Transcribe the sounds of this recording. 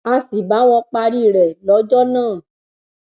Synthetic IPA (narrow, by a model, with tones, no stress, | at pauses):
a˧si˨ba˨˦w̃ɔ̃˧k͡pa˧ɾi˦˨ɾɛ˨lɔ˨˦d͡ʒɔ˦nãː˦˨